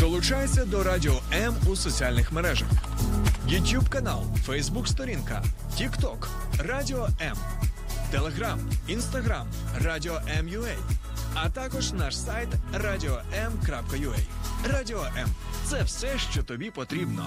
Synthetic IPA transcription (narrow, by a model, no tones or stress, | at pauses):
d̪ɔlˠʊt͡ʃajet͡sʲːɐd̪ɔɾadʲɪɔɛmusɔt͡sʲialʲnɪxmeɾɛʒɐ̰x | jʊt̪ʲjubkɐnɑlˠfɛjzbukst̪ɔɾʲinkɐ̰ | tʲikt̪ɔk | radʲiɔɛm | t̪elˠeɦɾaminst̪ɐɦɾam | rɑdʲiɔʔɛmjʊɛj | ɐt̪ɑkɔʒnɑʃsajt̪radʲiɔɛmkɾɑpkɐjʊɛj | radʲiɔʔɛmt̪sɛwsɛʃt͡ʃɔt̪ɔbʲipɔt̪ɾʲibnɔ̰